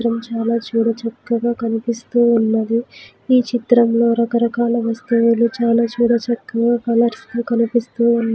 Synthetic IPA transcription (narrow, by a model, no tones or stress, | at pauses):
ɾɐmt͡ʃaːlaːt͡ʃuːɽɐt͡ʃɐkːɐɡaːkɐnipist̪uːnːɐd̪i | iːt͡ʃit̪ɾɐmlo̞ːɾɐkɐɾɐkaːlɐʋɐst̪uwulut͡ʃaːlaːt͡ʃuːɽɐt͡ʃɐkːɐɡaːkɐlɐɾsk̪ukɐnipist̪uːunː